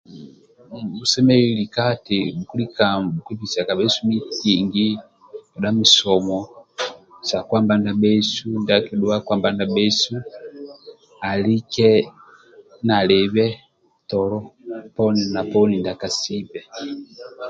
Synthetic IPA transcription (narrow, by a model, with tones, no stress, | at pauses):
u˨sɛ˦mɛ˦ili˨ka˦timu˨ku˦li˦ka˨uki˦pi˨sa˨ka˨bɛ˦su˦mi˦kiŋɡi | a˨ɗa˦mu˨sɔmɔ | sa˨kwamba˦nda˨bɛ˦su˦ndakɛɗua˦kwa˦mba˦nda˨bɛ˦su | a˨li˦kɛ | na˨lɛ˨βɛ˦ | tɔlɔpɔ˦nina˨pɔ˦ni˨ndaka˨si˦pɛ